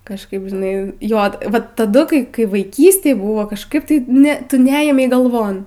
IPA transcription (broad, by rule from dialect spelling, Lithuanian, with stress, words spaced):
kɐʃˈkɐɪp ʒʲɪˈnɐɪ ˈjoːt ˈʋɐt tɐˈdʊ kɐɪ kɐɪ ʋɐɪˈkʲiːsʲtʲeːj ˈbʊʋoː kɐʃˈkɐɪp tɐɪ ˈnʲɛ ˈtʊ ˈnʲɛeːmʲɛɪ ɡɐlˠˈʋoːn